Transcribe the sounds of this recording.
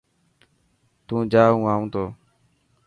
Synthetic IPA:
t̪ũːd͡ʒaːɦũːaːũːt̪oː

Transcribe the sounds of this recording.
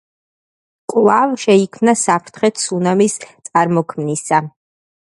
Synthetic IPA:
kʼlˠavʃɛikʰmnasapʰɾt̪ʰχɛt̪ʰsunamist̪sʼaɾmɔkʰmnisa

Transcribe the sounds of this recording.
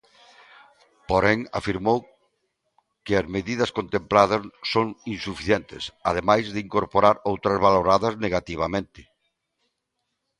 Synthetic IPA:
poɾɛŋa̰fiɾmow | kɪazmeðiðɐskont̪emplaðɐssoŋinsufiθjent̪ɪ̰sað̞emajzðɪiŋkoɾpoɾaɾowt̪ɾɐzβaloɾaðɐzneɣat̪iβ̞amẽnt̪ɪ̥

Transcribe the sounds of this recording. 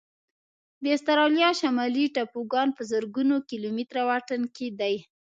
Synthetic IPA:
d̪ɪst̪aɾɑljɑʃamɑliʈapoɡɑnpəzəɾɡunokilomit̪ɾawaʈənked̪aj

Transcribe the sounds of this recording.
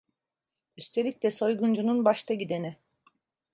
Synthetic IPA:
yst̪ʰe̞lʲicʲlʲɛso̞jɡund͡ʒununbaʃt̪ʰaɟid̪e̞nɪ

